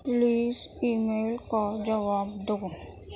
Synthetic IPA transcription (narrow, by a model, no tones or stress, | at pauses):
liːsiːmeːlkad͡ʒəʋaːbd̪oɡo